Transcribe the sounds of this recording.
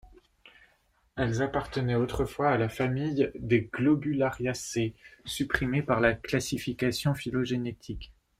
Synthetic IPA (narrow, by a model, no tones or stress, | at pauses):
ɛlzapaʁt̪ənɛot̪χəfwaːlafamijd̪eɡlɔbylaʁjasesypχimepaʁlaklasifikasjɔ̃filoʒenet̪ʰik